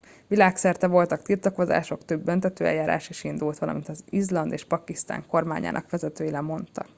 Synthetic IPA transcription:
ʋilaːksɛrt̪ɛvo̞lt̪ɒkt̪irt̪ɒko̞za̰ːʃo̞kt̪øbːønt̪ɛt̪øːɛ̰jaːɾa̰ːʃeʃind̪ult̪ʋɒlɒ̰mint̪ɒzizlɒnd̪eːʃpɒkist̪a̰ːŋko̞rma̰ːɲa̰ːnʔɒ̰kʋɛzɛt̪øːjilɛmo̞nt̪ɒ̰k

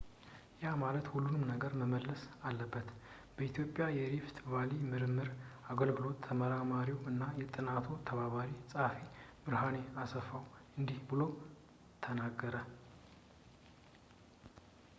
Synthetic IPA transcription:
jamalət̪hulːunɨmnəɡəɾməməlːəsalːəbːət̪ | b̥əit̪ʰjo̞pʼːjajɛɾift̪ʰvalimɨɾɨmːɨɾaɡəlɡɨlo̞t̪ʰːəməɾamaɾiwɨnːajɛt̪ʼɨnat̪ʰot̪ʰəβaβaɾisʼafemɨɾɦane̞asəfawɨnd̪ihbɨlo | t̪ʰənaɡːəɾə

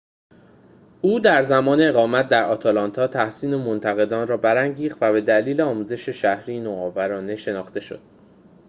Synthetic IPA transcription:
ʔuːd̪æɾzæmɒːneeɣɒːmæt̪̚d̪æɾɒːt̪ʰɒlɒnt̪ʰɒːt̪ʰæhsiːnemont̪ʰæɣe̞d̪ɒːnrɒːbæɾæŋɟiːχt̪væbe̞d̪æliːleɒːmuːze̞ʃe̞ʃæhɾiːjnoɒːvæɾɒːne̞ʃe̞nɒːχt̪e̞ʃo̞̰d̪̥̚

